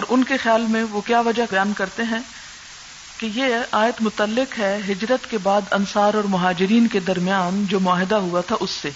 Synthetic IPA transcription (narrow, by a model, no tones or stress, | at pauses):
ɔːɾʔʊnkexjaːlmẽʋokjaːʋɐd͡ʒajaːnkɐɾt̪eɦɛ̃ː | kejeaːjət̪mʊt̪əlːɪkɦɛɦɪd͡ʒɾət̪kebaːd̪ɐnsaːɾɔːɾmʊɦaːd͡ʒɪɾiːnked̪ɐɾmijaːnd͡ʒoːmʊaːɦɪd̪aɦuat̪ʰaʔʊsːeː